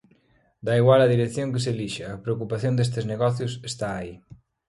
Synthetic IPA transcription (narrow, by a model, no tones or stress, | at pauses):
d̪aiɣwalɐðiɾeθjõŋkes̬eliʃɐːpɾeokupaθjond̪est̪ɪzneɣɔθjʊsest̪aːi